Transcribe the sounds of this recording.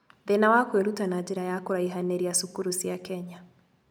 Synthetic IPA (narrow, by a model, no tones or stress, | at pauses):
ðɛnawakwɛɾutanad͡ʒiɾajakɔɾaiɦanɛɾiasukuɾusiakɛɲa